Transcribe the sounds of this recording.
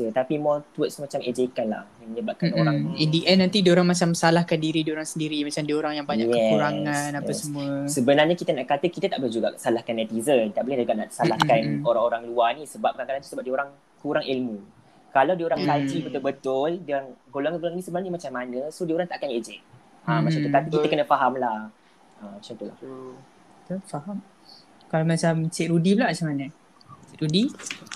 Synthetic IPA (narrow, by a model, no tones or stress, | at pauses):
sət̪apimɔt̪wət̪̚smat͡ʃamed͡ʒekanla̰hjaŋməɲəbat̚kanoɾaŋindiʔɛnːant̪idioɾaŋmat͡ʃaməsalahkandiɾidioɾaŋsəndiɾimat͡ʃamdioɾaŋjaŋbaɲajkɛɛkɾaŋãnaasəmuəsəbənarɲakit̪anaʔkat̪əkit̪at̪aʔbolɛhd͡ʒuɡa̰ʔsalahkanɛt̪izət̪aʔbolɛhdəɡaʔna̰ʔsalahkanoɾaŋoɾaŋluanisəbap̚kankalant̪u̥səbap̚dioɾaŋ | kuɾaŋʔilmũ | kalawdioɾaŋkad͡ʒibət̪ʊlbət̪ʊldioɾaŋɡolaŋãɡolaŋinĩsəbənaɲamat͡ʃamːanəsodioɾaŋt̪aʔkaned͡ʒɛk̚ | əmːat͡ʃaukat̪əkit̪əkənəfaɦamla | əmt͡ʃɔnt̪ula̰h | t̪əfaɦam | kalamat͡ʃamt͡ʃɪʔɾudiblaʔmat͡ʃamanə | t͡ʃʔɾudi